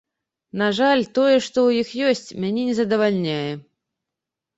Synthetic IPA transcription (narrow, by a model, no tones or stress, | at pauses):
naʐalʲt̪ɔjɛʂt̪ɔwjixjɔsʲt͡sʲmʲanʲɛnʲɛzɐd̪ɐvalʲnʲajɛ